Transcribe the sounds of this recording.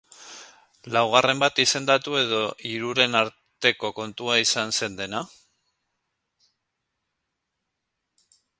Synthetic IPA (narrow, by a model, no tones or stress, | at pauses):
lawɣ̞are̞mbat̪ise̞nd̪at̪ue̞ðo̞ʔiɾuɾe̞naɾ | t̪e̞ko̞ko̞nt̪uaisanse̞nd̪e̞na